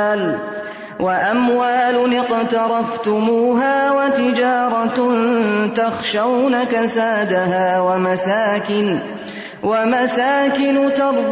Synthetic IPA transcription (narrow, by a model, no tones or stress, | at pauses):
l | wʔaʔamwaːlʊnɪqt̪ɑɾˤɑft̪ʊmuːɦaːwat̪ɪd͡ʒɑːɾˤɑnt̪ɑxʃawnakasaːd̪aɦaːwamasaːkɪn | wamasaːkɪnʊt̪ɑɾˤ